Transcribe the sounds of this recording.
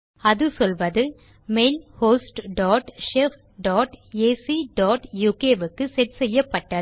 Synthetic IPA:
ɐðɯsɔlʋɐðɯ | meːlhoːsʈɖɔːʈʂeːf | ɖɔːʈeːsiɖɔːʈjuːkeːʋɯkːɯsɛʈsɛjːɐpːɐʈːɐ

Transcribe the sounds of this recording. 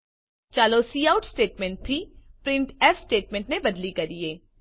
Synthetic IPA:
t͡ʃaːlosiːaːʊʈsʈeːʈmɛ̃ɳʈ̚t̪ʰːipɾɪ̃ɳʈɛːfsʈeːʈmɛ̃ːɳʈnebɐd̪likɐɾieː

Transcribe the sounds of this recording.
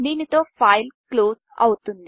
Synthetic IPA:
niːnit̪o̞ːpʰajlkloːsɐ̰wut̪und̪i

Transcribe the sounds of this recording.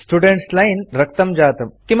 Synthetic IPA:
sʈuɖẽɳʈslainɾəkt̪əmd͡ʑaːt̪əmkĩm

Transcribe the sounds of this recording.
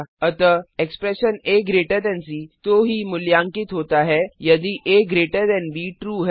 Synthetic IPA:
ət̪əekspɾeɕəneɡɾeʈəɾd̪ɛ̃nsiːt̪oɦiːmuljãŋkiːt̪ɦot̪aɦɛjəd̪iːʔeɡɾeʈəɾd̪ɛnbiːʈɾuːɦɛ

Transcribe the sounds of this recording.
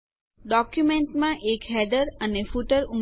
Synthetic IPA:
ɖɔkjumẽɳʈmãʔekɦɛd̪əɾənefuʈəɾum

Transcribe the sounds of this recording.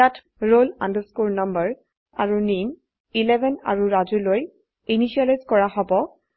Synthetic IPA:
jatʰ | ɹola̰ndəskuɹnʌmbəɹ | aɹunin | ilɛbɛna̰ɹuɹazuloj | iniʃialajzkɔɹaɦɔbɔ

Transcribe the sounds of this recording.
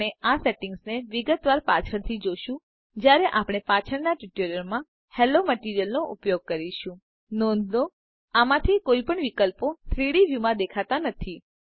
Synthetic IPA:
easeʈɪ̃ŋɡsneʋiɡət̪ʋaɾpat͡ʃʰəɽt̪ʰid͡ʒoʃũ | d͡ʒjaɾeʔapɽ̃epat͡ʃʰəɽnaʈiʈeɾəɾmã | heloməʈiɾijəlnoʔupjoɡ̚kəɾiʃũ | nɔ̃nd̪d̪o | amãt̪ʰikoipəɳʋikəlpot̪ʰɾiɽiʋjumãd̪ekʰat̪anət̪ʰi

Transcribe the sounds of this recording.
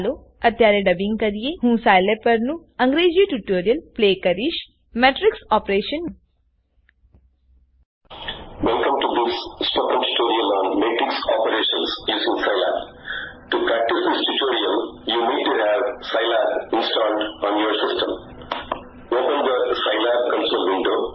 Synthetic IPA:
loː | ɐt̪jaːɾɐɖɐbĩŋɡkɐɾijeɦũːsaːjlepɐɾnuɐ̃ŋɡɾeːd͡ʒiʈjuʈoːɾijɐlpleːkɐɾiʃ | meːʈɾiksɔːpɾeːʃɐn | ʋɛlkə̃mʈud̪ɪsːpokə̃nʈu̥ʈoːɾiəlɔ̃ːnmeːʈɾɪksɔpəɾeːʃə̃nsjuːzɪ̃ŋsaɪlæ̰p | ʈupɾæk̚ʈɪsd̪ɪsʈuʈoːɾiəljuːniːɖ̚ʈuɦæʋsaɪlæpɪ̃nsʈɔ̃ːɳʈɔ̃ːnjoːɾsɪsʈə̰̃m | oːpə̃nd̪əsaɪlap̚kə̃nsolʋɪ̃ɳɖoː

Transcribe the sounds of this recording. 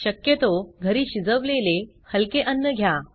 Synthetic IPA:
ɕəkjət̪oɡʱəɾiːɕid͡zəʋlele | həlkeʔənːəɡʱja

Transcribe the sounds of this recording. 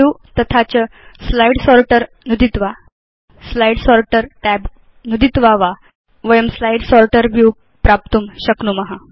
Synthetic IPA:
ut̪ət̪ʰat͡ɕəslaiɽsɔɾʈəɾ | nud̪it̪ʋa | slaiɽsɔɾʈəɾʈɛb | nud̪it̪ʋaʋa | ʋəjəmslaiɖsɔɾʈəɾʋju | pɾap̚t̪uːmɕəknuːməɦa

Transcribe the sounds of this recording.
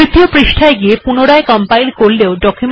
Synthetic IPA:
it̪ːiopɾiʃʈʰaeɡiepunoɽaekɔmpajnkoɾleoɖɔkʰjum

